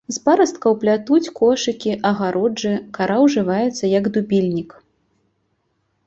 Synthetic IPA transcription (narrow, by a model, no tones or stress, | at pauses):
zpaɾɐst̪̚kɐwplʲat̪ut͡sʲkɔʂɨkʲiʔɐɣaɾʔɔd͡ʐɨkaɾawʐɨvajɛt̪sːɐjɐɡd̪ubʲilʲnʲik